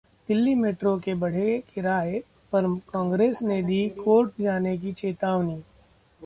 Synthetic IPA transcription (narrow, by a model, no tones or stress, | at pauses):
d̪̥ɪlːimeːʈɾõkebɐɽ̤ekɪɾaːe | pɐɾkɔ̃ːŋɡɾeːsned̪iːkoːɾʈd͡ʒaːnek̬it͡ʃeːt̪aːʋniː